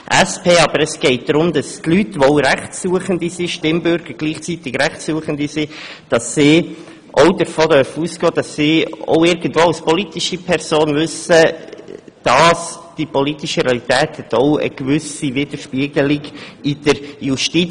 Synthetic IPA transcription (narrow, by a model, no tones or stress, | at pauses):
ʔæspʰeːɑbəɾəsɡ̥ɛɪt̚d̪̥ɾʊmd̥ɑstlytʋoʊɾæχtsuəχəndisiʃtɪmbʏɾɡ̥əɾɡ̥liːχt͡sit̪ɪɡɾæχtsuəχəndisid̥ɑsːi | ʔoʊdəɾfoːdœɾfəuːsɡ̥ɔːd̥ɑsːio̰ʊɪɾɡən̩dʋoːawspɔlitiʃəpʰɛɾsoːnvʏsə | d̥ɑsd̥ipɔlitiʃəɾeɑlit̪ɛːthɛt̪oʊə̰ɡ̥ʋʏsivɪd̥̪əɾʃpiəɡ̥əliɡid̥əɾjuʃti